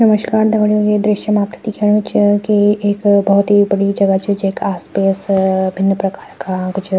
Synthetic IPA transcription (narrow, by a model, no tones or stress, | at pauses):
nɐməʃkaːɾd̪ɐɡɽjoɡed̪ɾɪʃjəmaːp̚t̪ʰid̪ikʰeɽ̃ut͡ʃkieːkbɐɦʊt̪ɦibɐɽid͡ʒɐɡət͡ʃʰid͡ʒeːkaːspesbʱɪnːpɾɐkaːɾkaɡud͡ʒ